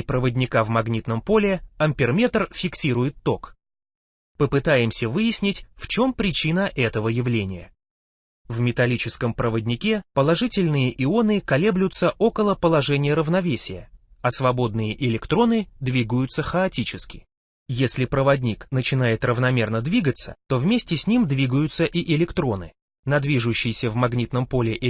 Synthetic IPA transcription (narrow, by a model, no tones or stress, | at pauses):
pɾəvədʲnʲɪkavmɐɡnʲit̪nəmpo̞lʲɪɐmʲpʲɪrmʲet̪rfʲɪksʲiɾʊjɪt̪ːo̞k | pəpɨt̪ajɪmsʲəvɨjɪsʲnʲɪtʲft͡ɕo̞mpɾʲɪt͡ɕinəʔɛt̪əvəjɪvlʲenʲɪjə̰ | vmʲɪt̪ɐlʲit͡ɕɪskəmpɾəvədʲnʲɪkʲepəlˠɐʐɨtʲɪlʲnɨjəʔɪo̞nɨkɐlʲe̞blʲʊt̪səʔo̞kəlˠəpəlˠɐʐɛnʲɪjəɾəvnɐvʲesʲɪjə̰ɐsvɐbo̞d̪nɨjəʔɪlʲɪkt̪ɾo̞nɨd̪vʲiɡəjʊt̪səxəɐtʲit͡ɕɪskʲɪ | jesʲlʲɪpɾəvɐdʲnʲiknət͡ɕɪn̪ajɪt̪rəvnɐmʲernəd̪vʲiɡət̪sə̥̰t̪o̞vmʲesʲtʲɪsʲnʲimd̪vʲiɡəjʊt̪səʔiʔɪlʲɪkt̪ɾo̞nɨ̰ | nɐd̪vʲiʐʊɕːɪjɪsʲəvmɐɡnʲit̪nəmpo̞lʲɪʔɪ